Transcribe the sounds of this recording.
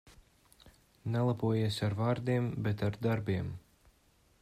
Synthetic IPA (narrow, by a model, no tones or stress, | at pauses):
nɛlˠapuɔjiɛsʲaɾvaːɾd̪iɛmbɛt̪aɾd̪aɾbiɛm